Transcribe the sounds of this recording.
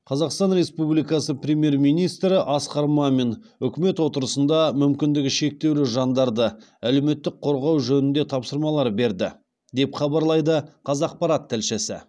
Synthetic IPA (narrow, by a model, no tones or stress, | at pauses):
qʰɑzɑqst̪ɑnɾe̞spublijkɑsəpɾʲe̞mje̞ɾmijnijst̪ɾɪʔɑsqɑɾmɑme̞n | ʏkʲɪme̞t̪wo̞t̪əɾəsənd̪ɑmʏmkʲɪnd̪ɪɡʲɪʃe̞k̚t̪e̞wlɪʒɑnd̪ɑɾd̪ə | æle̞me̞t̪ːɪk̚qʰo̞ɾʁɑwʒɵnɪnd̪e̞t̪ʰɑpsəɾmɑlˠɑɾbe̞ɾd̪ɪ̰ | d̪e̞pχɑbɑɾlˠɑjd̪əqʰɑzɑːq̚pɑɾɑt̪ʰːælʃɪsɪ̰